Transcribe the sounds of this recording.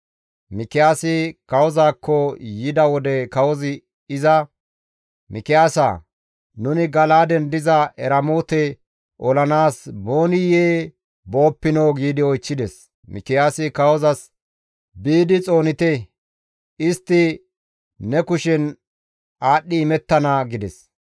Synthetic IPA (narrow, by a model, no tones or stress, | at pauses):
mɪkɪjaːsɪkɐwɔzaːkːɔjɪd̪ɐwɔd̪ɛkɐwɔzɪ | ɪzɐ | mɪkɪjaːsa̰ | nʊnɪɡɐlaːd̪ɛnd̪ɪzɐʔɛɾɐmoːt̪ɛ | ʔɔlɐnaːsbo̞ːnɪjeː | bo̞ːpːɪnoːɡiːd̪ɪɔjt͡ʃːɪd̪ɛs | mɪ̰kɪjaːsɪkɐwɔzɐs | biːd̪ɪt͡sʼo̞ːnɪt̪ɛ | ɪst̪ːɪː | ɛkʊʃɛn | aːɗːɪːmɛt̪ːɐnaɡɪd̪ɛ̰s